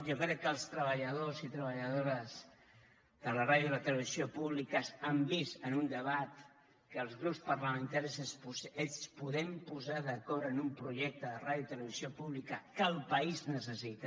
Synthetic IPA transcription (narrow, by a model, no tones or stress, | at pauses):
ʒokɾɛkːəlˠst̪ɾəβəʎəðozit̪ɾəβəʎəðoɾəz | ðələraðjuðələt̪ələβiziopuβlikəsambisənund̪əβat̪ | kəːlˠzɣɾupspərləmənt̪aɾisəsespuðɛmpuzaðəkɔɾənumpɾuʒɛk̚t̪əðəraðjuit̪ələβiziopuβlikəkəlˠpəiznəsəsit̪ə